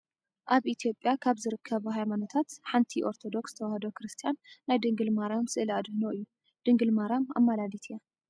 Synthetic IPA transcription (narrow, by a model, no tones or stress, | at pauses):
ʔaβʔit̪ʰijo̞pʼːjakʰaβzɨɾɨkʰːɐβɦajmanot̪ʰat̪ħant̪ʰiʔo̞ɾt̪ʰo̞d̪o̞ksɨt̪ʰɐwahd̪okɾɨst̪ʰijanːajd̪ɨŋɡɨlmaɾamsɨʔɨlad̪ɨhnoʔɨjːu | d̪̥ɨŋɡɨlmaɾama̰mːalad̪it̪ʰɨja